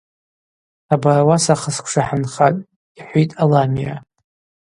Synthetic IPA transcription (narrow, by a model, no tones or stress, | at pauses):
abarwasaχəskʷʰʂaħanχatʼ | iħʷitʼalamija